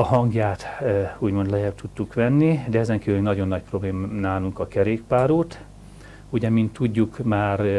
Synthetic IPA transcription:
ɒɦɒŋɡjaːt̪uːɟmo̞nd̪lɛjɛbt̪ʰut̪ːukʋɛnːid̪ɛɛzɛŋkiːvylynɒɟo̞nːɒc̚pro̞bleːmanaːluŋkɒkɛɾeːkpaːɾuːt̪ | uɟɛmint̪ːuɟːukmaːr

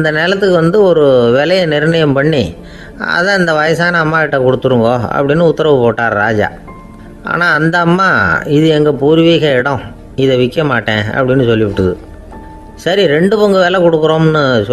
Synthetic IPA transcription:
ɐnd̪ɐneːlɐt̪ːɯkːɯʋɐnd̪ɯɔɾɯʋɛlɐjɐnɪɾɳɐjɐmpɐɳːi | ɐ̰ðɐ̃ɐnd̪ɐʋɐjɐsaːnɐːmːaːɪʈːɐkɔɽɯt̪ːɯɾɯŋɡoːɐ̰pːɐɽɪnːɯʊt̪ːɐɾɐʋɯpoːʈːaːɾɾaːd͡ʒa̰ː | a̰ːnaːɐnd̪ɐːmːaːɪðɯɛŋɡɐpuːɾʋiːɣɐɪɽɔ̃ | ɪðɛʋɪkːɐmaːʈːẽːɐ̰pːɐɽɪnːɯsɔlːɪʋʊʈːɯðɯ | sɐɾiɾɛɳɖɯpɔŋɡɯʋeːlɐkɔɽɯkːɯɾoːmnːɯs

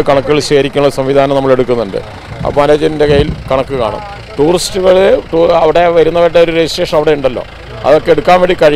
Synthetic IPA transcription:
kɐɳɐkːuɣɐɭɕeːɾikʲːunːɐðsɐmʋid̪ʱaːnɐmnɐmːɐɭe̞ɽukːunːuɳɖɨ̰ | ɐ̰pːoɐnlɐd͡ʑɐɾinde̞kɐjːilkɐɳɐkːɨka̰ːɳṵnː | ʈuːristːɨɣɐɭʈuɐʋiɽe̞ʋɐɾunːɐʋɐʈːeo̞ɾuɾeisʈe̞ːʂɐnɐʋiɽe̞uɳɖɐlːo̞̰ː | ɐ̰ðo̞kːeeɽukːaːmʋeɳɖikɐɻi

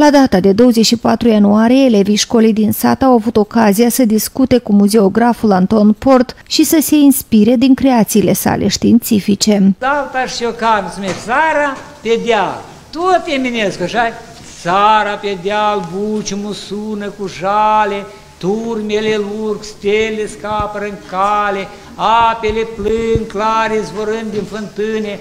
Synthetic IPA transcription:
lad̪at̪ad̪e̞d̪o̞wəzet͡ʃʲʃipat̪ɾujanuaɾijeːle̞viʃko̞lijd̪insa̰t̪awavut̪o̞kazijasəd̪iskut̪e̞kumuze̞o̞ɡɾafulant̪o̞npo̞rt̪ʃisəse̞inspiɾe̞d̪iŋkɾe̞at̪siːle̞sa̰lʔe̞̰ʃt̪iːnt̪sifit͡ʃe̞alt̪aʂokansumesaɾa | ped̪eal | t̪ot̪jemʲinʲeskaʃaj | saɾapʲed̪ʲalbut͡ʃumusunəkuʒale | t̪urmelelurkst̪ʲelʲːeskapəɾɨŋkale | apeleplɨnklaɾisvoɾɨnd̪infɨnt̪ɨnʲe

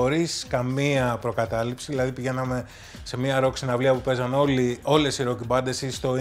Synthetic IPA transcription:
oɾiskɐmiɐpɾo̞kɐt̪ɐlipsiðilɐðipiʝe̞nɐme̞ | se̞miɐɾo̞ksinɐvliɐpupe̞zɐnolio̞le̞siɾocibɐnd̪e̞sist̪o̞

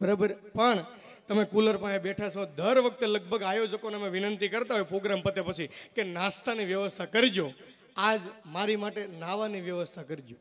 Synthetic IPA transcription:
bəɾabəɾepəɳ | t̪əmekuləɾpãebeʈʰasõd̪ʱəɾʋək̚ʰt̪eləɡ̚bʱəɡajod͡ʒəkonemẽʋɪnənt̪ikəɾt̪aɦojpɾoɡɾampət̪epət͡ʃʰikenãst̪ʰaniʋjəʋəst̪ʰakəɾid͡ʒo | ad͡ʒmaɾimaʈenaʋaniʋjəʋəst̪ʰakəɾid͡ʒo

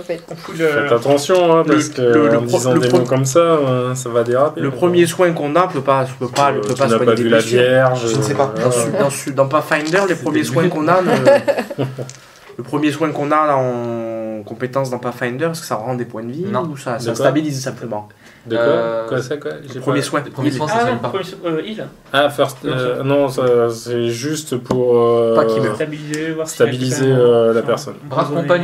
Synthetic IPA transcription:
fɛt̪fɛt̪at̪ɑ̃sjɔ̃ɛ̃paɛsə̥kələɑ̃md̪zɑ̃d̪emokɔmsaɛ̃savad̪eʁapeləpχəmjeswɛ̃kɔ̃nãpøpapøpalpøpasnawɛ̃paylavjɛʁʒəsɛpad̪ɑ̃d̪ɑ̃sd̪ɑ̃pafajnd̪œʁlepχəmjeswɛ̃kɔ̃nanø | ləpχəmjeswɛ̃kɔ̃naɑ̃ | kɔ̃pet̪ɑ̃s̬d̪ɑ̃pafajnd̪œʁɛskə̥saʁɑ̃d̪epwɛ̃d̪əvĩusasast̪abilizsɛ̃pləmɑ̃ | d̪akɔkɛəpχəmjeswɛ̃pmẽmjil | afɛʁst̪nɔ̃sasɛʒyst̪pʰuʁøpaimɛbilizevwast̪abilizeølapɛʁsɔnbʁaɔ̃pa

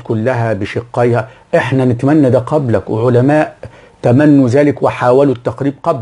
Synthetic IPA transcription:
kʊlːæɦæbɪʃɪqːɑjhæʔɪħnænɪt̪mænːæd̪æːqɑblækwɪ̰ʕʊlæmaːʔ | t̪æmænːuzæːlɪkwɪħaːwælut̪ːɑqɾiːb̚qɑb

